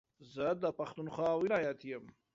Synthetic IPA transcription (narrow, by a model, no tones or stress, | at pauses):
zəd̪əpaxt̪unxwɑːwɪlɑjat̪jəm